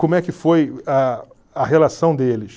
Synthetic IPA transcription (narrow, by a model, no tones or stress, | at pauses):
kõmʊɛkɪfoja | ɐɦelasɐ̃w̃d̪elɪʃ